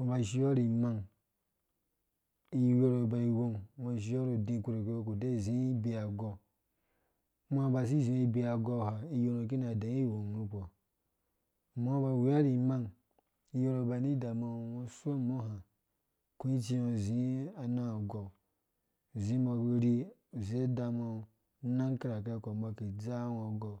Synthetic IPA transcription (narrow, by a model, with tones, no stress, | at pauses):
wo˨ba˨ʃi˧jo˦ɾi˨ma˧ŋ | i˦jo˦ɾo˨ba˨i˨˧wo˦ŋwo˧˨ʃ̬i˧jo˦ɾo˨dĩ˧˨ku˧ɾo˨ke˦o˦ko˨de˦˨zĩ˦i˦be˧a˨ɡɔ˧˦ | m˦a˦ba˨s̬i˦zĩ˨˦i˧bi˧a˨ɡɔ˧˨ha˨i˦jo˧no˨k̬i˦na˨dã˨˦i˦˨wo˨ŋ˨nũ˦˧po˨ | mo˦ba˧˨wi˨a˦ɾi˨ma˦ŋ | i˦jo˦ɾo˧ba˨ni˦da˨ma˧˨wo˧su˦o˦˨mo˦ha˨ | ku˦i˦t͡ʃi˧o˧˨zĩ˨˦a˨na˦˨ɡo˨ | zĩ˦ma˧ku˧ɾi˦u˨ze˦da˧ma˧˨˦ | na˦ŋka˦ɾa˨ka˦˨ko˨mba˧ki˨d͡za˦wo˨ɡo˨